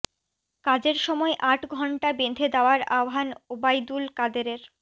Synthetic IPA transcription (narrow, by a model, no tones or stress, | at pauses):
kad͡ʑeɾʃɔmɔeʔaʈɡʱɔɳʈabend̪ʱed̪aoaɾaoɦanobajd̪ulkad̪eɾeɾ